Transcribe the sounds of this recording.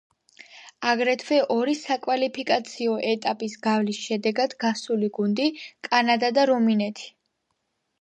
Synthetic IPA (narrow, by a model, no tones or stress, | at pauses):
aɡɾɛt̪ʰvɛʔɔɾisakʼwalipʰikʼat̪sʰiɔʔɛt̪ʼapʼisɡavlisʃɛd̪ɛɡad̪ɡasuliɡund̪ikʼanad̪ad̪aɾɔminɛt̪ʰi̥